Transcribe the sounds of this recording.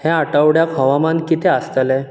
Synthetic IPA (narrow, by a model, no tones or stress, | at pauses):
hɛ̃aʈəwɽjakɦəʋamankit̪ʰɛəst̪əlɛ̃